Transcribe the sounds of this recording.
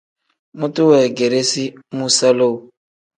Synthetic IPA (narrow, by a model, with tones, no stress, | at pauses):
mu˦tʼu˦wɛ˨ɡe˨ɾe˦si˦mu˦sa˦lo˦u˨